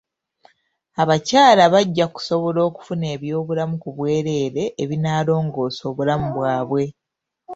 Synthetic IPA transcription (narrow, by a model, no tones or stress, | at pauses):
aβacaːlaβaɟːaku̥so̞βo̞lo̞ːku̥fune̞ːβjo̞ːβulamukuβwe̞ːɾe̞ːɾe̞ʔːβinaːlo̞ːŋɡo̞ːso̞ːβulamuβwaːβwe̞